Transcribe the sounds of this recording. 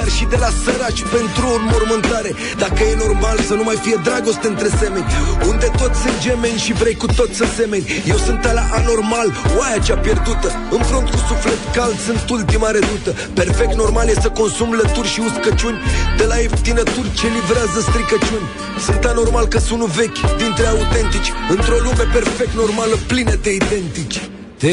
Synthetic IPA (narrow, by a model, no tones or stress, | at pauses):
d̪arʃid̪e̞lasəɾaʃpe̞nt̪ɾuomo̞rmɨnt̪aɾe̞ | d̪akəje̞no̞rmalsənumajfije̞d̪ɾaɡo̞st̪eɨnt̪ɾese̞me̞nʲund̪e̞t̪o̞t̪sʲsɨnd͡ʒe̞me̞nʲʃivɾe̞jkut̪o̞t̪sʲase̞me̞nʲje̞wsɨnt̪alaʔano̞rmalwajat͡ʃapje̞rd̪ut̪ə | ɨnpɾont̪kusufle̞t̪kald̪sɨnt̪ult̪imaɾed̪ut̪ə | pe̞rfe̞k̚t̪no̞rmalje̞səko̞nsumlət̪urʲʃiuskət͡ʃunʲd̪e̞laept̪inət̪urʲt͡ʃe̞livɾeazəst̪ɾikət͡ʃunʲ | sɨnt̪ano̞rmalkəsunuve̞kʲd̪int̪ɾeaut̪e̞nt̪it͡ʃʲɨnt̪ɾo̞lume̞pe̞rfe̞k̚t̪no̞rmaləplinet̪e̞id̪e̞nt̪it͡ʃʲ | t̪e